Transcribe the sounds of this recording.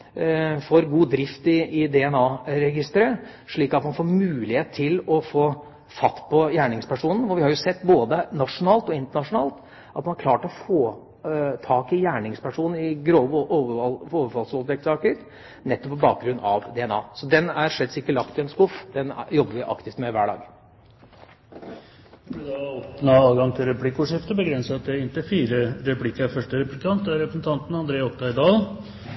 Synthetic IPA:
fɔɾɡuːd̪ɾɪft̪ɪɪd̪ɛɛnɑːɾɛɡɪst̪əɾə | ʂɭiːkɑt̪mɑnfoːɾmʉːlɪheːt̪t̪ʰːɪlɔfoː | fɑt̪ːpʰɔjæːɳɪŋspʰæʂuːnən̩fɔʋɪhɑɾjʊsɛt̪ːboːd̪ənɑʂʊnɑːlt̪ɔɪnt̪əɳɑʂʊnɑːlt̪ | ʔɑt̪mɑnhɑkʰlɑːʈəɔfoː | t̪ʰɑːkɪjæːɳɪŋspʰæʂuːnn̩ɪɡɾoːʋ | ɔʋəfɑlsʋɔld̪ɛk̚t̪sɑːkəɾ | nɛt̪ːɔpʰːɔbɑːk̚ɡɾʉnːɑʋd̪ɛɛnɑ̰ːsɔd̪ɛnæɾʂɛt̪sɪkːəlɑkt̪ɪɛnskʊfd̪ɛnjɔɡːəʋɪʔɑ̰kt̪ɪft̪mɛʋæ̰ːɖɑ̰ːɡ | ɪd̪ɑɔpnɑɑːlɡɑŋt̪ʰɪlɾɛpʰlɪkːʊːʂɪft̪əbəɡɾɛnsəɑt̪̚d̪ɛɪnt̪əfiːɾəɾɛpʰlɪkːəæfœʂʈəɾɛpɾst̪ʰɑnt̪̚d̪æɾɛpɾəsn̩t̪ʰɑnt̪n̩ɑnd̪ɾeːɔkt̪ːɑɪd̪ɑːl

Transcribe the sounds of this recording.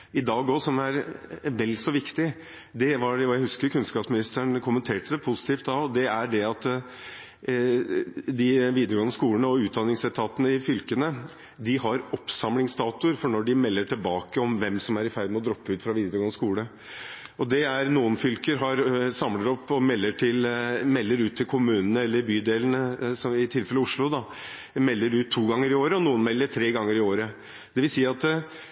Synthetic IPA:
ɪd̪ɑːɡɔsɔmæɾʋɛlːsɔʋɪkt̪ɪ | d̪ɛʋɑɔjæɪhʉskəɾkʰʉnskɑːpsmɪnɪst̪əɳkʰʊmənt̪ʰeːʈəd̪ɛpʰʊsɪ̥t̪ʰiːft̪̚d̪ɑɔd̪ɛæɖɛɑt̪ː | d̪ɪʋiːd̪əɾəɡɔːnəskuːəɳəɔʉːd̪ɑnːɪŋsɛt̪ʰɑːt̪ənəɪfʏlkənə | d̪ɪhɑɾɔpsɑmlɪŋsd̪ɑːt̪ʊɾfɔɳɔɖɪmɛlːəʈʰɪlbɑːkəɔmʋɛmsɔmæɾɪfæɾd̪mɛɔd̪ɾɔpːəʉːt̪fɾɑʋiːd̪əɾɡoːnəskuːlə | ɔd̪ɛæɾnuːənfʏlkəɾɦɑɾsɑmləɾɔpːɔmɛlːəʈʰɪlmɛlːəɾʉːt̪ʰːɪlkʰʊmʉːnənəɛlːəɾbyːd̪eːlən̩əsɔmɪt̪ʰɪlfɛləʊʂlʊd̪ɑ | mɛlːəɾʉːt̪ʰːuːɡɑŋːəɾɪoːɾəɔnuːənmɛlːəʈʰɾeːɡɑŋːəɾɪoːɾə | d̪̥ɛʋɪlsiːɑt̪

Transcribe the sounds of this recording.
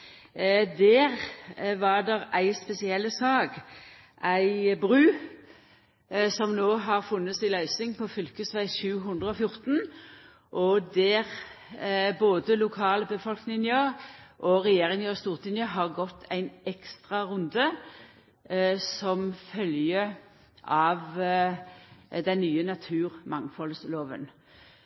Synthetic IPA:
d̪æʁʋɑʁd̪ɛʁæɪspɛsɪɛlːəsɑːɡ | ʔæɪbʁʉː | sɔmnoːɦɑʁfʉnːəsɪlœʏsɪŋpʰɔfʏlkəsʋæɪʃʉːɦʉnd̪ʁəɔfjʊʁt̪n | ʔɔd̪ɛʁ | boːd̪əlʊkʰɑːləbəfɔlknɪŋənjøːʁʔɔʁɛjeːʁɪŋjøːst̪uːʁt̪ɪnjəɦɑʁɡɔt̪ʰːæɪnɛkst̪ʁɑʁʉnd̪ə | sɔmfœljə | ʔɑʋ | d̪ɛnːyːənɑt̪ʰʉːʁmɑŋfɔlsloːʋə̰n

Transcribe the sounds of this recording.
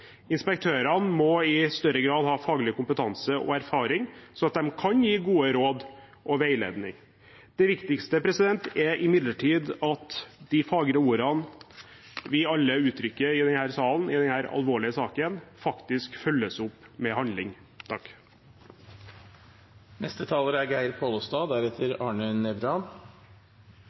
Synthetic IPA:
ɪnspɛk̚t̪ʰøːɾɑnmɔɪst̪œɾəɡɾɑːd̪hɑːfɑːɡlɪkʊmpət̪ʰɑnsəɔ̰æɾfɑːɾɪŋsɔɑt̪̚d̪ɛmkʰɑnjiːɡuːəɾoːd̪ | ʔɔʋæɪlḛːd̪nɪ̰ŋ | d̪̥ɛʋɪkt̪ɪkst̪əpʰɾɛsɪd̪ɛnt̪æɾʔɪmɪd̪ləʈʰiːd̪ɑt̪d̪ɪfɑːɡɾəuːɾɑn | ʋɪɑlːəʉːt̪ʰɾʏkːəɪd̪ɛnhæːɾsɑːln̩ɪd̪ɛnhæːɾɑ̰lʋoːɭɪəsɑːkənfɑkt̪ɪskfœlːəsʊpːmɛhɑnd̪lɪŋ | t̪ʰɑkː | nɛst̪ət̪ʰɑːləɾæɾɡæɪɾpʰoːləst̪ɑːd̪æɾɛt̪ʰəɾɑːɳənɛbɾɑn

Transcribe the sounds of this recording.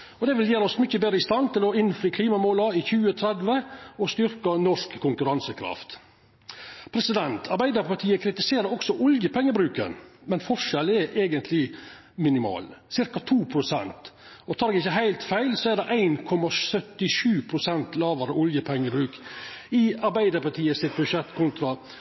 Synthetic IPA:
ɔd̪ɛʋɪljeːɾɔsmʏçːəbeːd̪ɾəɪst̪ɑnt̪ʰɪlɔɪnfɾiːkʰliːmɑmoːlɑɪçʉːət̪ʰɾɛd̪ʋəɔst̪ʏɾkɑnɔʂkʰːʊŋkʉɾɑnsəkʰɾɑ̰ft̪ | pʰɾɛsɪd̪ɛnt̪ʰɑɾbæɪd̪əpɑʈʰiːəkʰɾɪt̪ɪseːɾəɔksɔʔʊljəpʰɛŋːəbɾʉːkə̰nmɛnfɔʂɛlɛɾʔeːɡənt̪ʰlɪ | mɪnɪmɑ̰ːlsɪɾkɑt̪ʰuːpʰɾʊsɛ̰nt̪ɔt̪ʰɑːɾɛɡɪçːəɦæɪlt̪fæɪlsɔæd̪ɛʔæɪnkʰɔmɑsœt̪ɪʂʉːpʰɾʊsɛnt̪lɑːʋəɾəʊljəpʰɛŋːəbɾʉːkɪɑɾbæɪd̪əɾpɑʈʰiːəsɪt̪̚bʉʂɛt̪kʰʊnt̪ɾɑ

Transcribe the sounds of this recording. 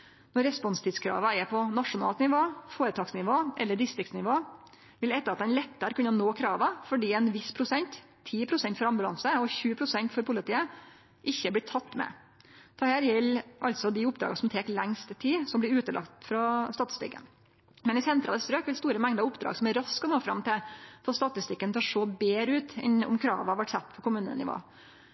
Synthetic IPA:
nɔɾːɛspɔnst̪ʰiːd̪skʰɾɑ̰ːʋɑɛɾpʰɔnɑʂʊnɑ̰ːlt̪nɪʋoːfoːɾət̪ʰɑːɡsnɪʋoːʔɛ̰lːəɖɪst̪ɾɪkt̪snɪʋoː | ʋɪlɛt̪ːəɾɑt̪̚d̪ɛnlɛt̪ːəɾkʉnːənoːkʰɾɑːʋɑfɔɖiːɛnʋɪspʰɾʊsɛnt̪ʰː | iːpʰɾʊsɛnt̪fɔɾɑmbʉlɑ̰nsəɔçʉːəpʰɾʊsɛnt̪fɔɾpʰʊlɪt̪iːə | ʔɪçːəb̪ɪt̪ʰɑt̪ːmɛ̰ | d̪̥ɛhæːɾjɛlːʔɑlt̪sɔd̪ɪʊpːd̪ɾɑ̰ːɡɑsɔmt̪ʰeːklɛŋst̪t̪ʰiːsɔmblɪɾʉːt̪əlɑ̰kt̪fɾɑst̪ɑːt̪ɪ̥st̪ɪ̰kːə̰n | mɛnɪsɛnt̪ʰɾɑ̰ləst̪ɾøːkʋɪlst̪uːɾəmɛŋd̪ɑʊpd̪ɾɑ̰ːɡsɔmæɾɑskɔnoːfɾɑ̰mt̪ɪlfɔst̪ɑt̪ɪst̪ɪkːənt̪ʰɑʂoːbeːɾʉːt̪ɛ̰nɔ̰mkʰɾɑ̰ːʋɑʋæʈsɛt̪ːpʰɔkʊmʉːnə̰nɪ̰ʋo̰ː

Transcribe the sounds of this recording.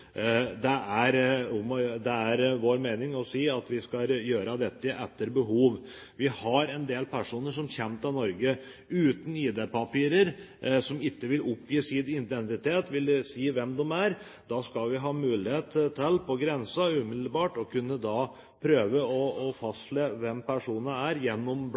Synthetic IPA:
d̪ɛæɾʊmɔd̪ɛæɾʋoːɾmeːnɪŋɔsiːɑt̪ʋɪskɑjøːɾəd̪ɛt̪ːəʔɛt̪ːəɾbəɦuːʋ | ʋɪhɑɾɛnd̪eːlpʰæʂuːnəʂɔmçɛmt̪ɑnɔɾɡə | ʉːt̪n̩iːd̪epɑpiːɾəɾ | sɔmɪkːəʋɪlɔpːjiːsiːd̪ɪnt̪ɛnsɪt̪ʰeːt̪ʋɪlsiːʋɛmd̪ɔmæɾ | d̪̥ɑskɑlʋɪɦɑːmʉːlɪheːt̪t̪ʰɛlːpʰɔɡɾɛnsɑʉːmɪd̪l̩bɑːʈɔkʰʉnːəd̪ɑ | pʰɾøːʋəɔɔfɑst̪leːʋɛmpæʂuːnəæɾjɛnːɔmb

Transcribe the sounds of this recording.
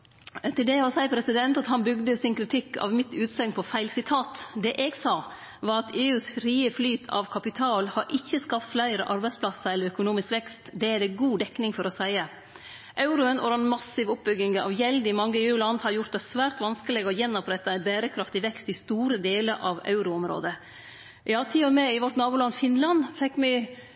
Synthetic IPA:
t̪ʰɪld̪ɛɔsæɪpʰɾɛsɪd̪ɛnt̪ɑt̪hɑnbʏɡd̪əsɪnkʰɾɪt̪ʰɪkːɑ̰ʋmɪt̪ʉːt̪sœŋpʰɔfæɪlsɪt̪ʰɑːt̪d̪ɛʔeːɡsɑː | ʋɑːɾɑt̪eːʉːsfɾiːəflyːt̪ʰɑ̰ʋkʰɑpɪt̪ʰɑːlhɑɾʔɪçːəskɑpt̪flæɪɾəʔɑɾbæɪspʰlɑsəɾɛlːəɾœkʊnuːmɪskʋɛkst̪d̪ɛæɾɛɡuːd̪ɛkːnɪŋfɔɾɔsæɪə | ʔɑʉɾʊənɔ̰ɾɛnmɑsɪʋʊp̚bʏɡɪŋɑ̰ʋjɛld̪ɪmɑŋːəeːʉːlɑnd̪hɑɾjʊɾt̪̚d̪ɛsʋæːɾt̪ʋɑnskəlɪɡəɔjɛnːɔpɾɛt̪ːəænbæːɾəkʰɾɑft̪ɪʋɛkst̪ɪst̪uːɾəd̪eːləɾʔɑʋɑ̰ʉɾʊɔmɾo̰ːd̪ə | ʔɑːt̪ʰiːɔmɛɪʋɔɾt̪nɑːbuːlɑnfɪnlɑnfɛkːmɛ

